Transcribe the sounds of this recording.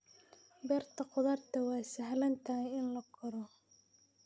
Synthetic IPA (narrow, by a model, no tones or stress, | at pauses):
bɛːrt̪ʰɐqʊðɐrt̪ʰɐwɑːsɐhlɐnt̪ʰɐhjɪnlɐkʰɔɾɔ